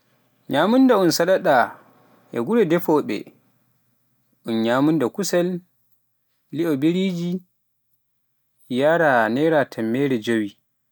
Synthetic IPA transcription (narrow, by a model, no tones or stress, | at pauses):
ɲaːmundaunsaɗaɗa | ʔɛ̰ɡuɾɛdɛfɔɓɛ̰ | ʔunɲamundakusɛl | iʔɔbeɾiːd͡ʒi | jaɾanɛɾatʰɛmːɛɾɛd͡ʒowi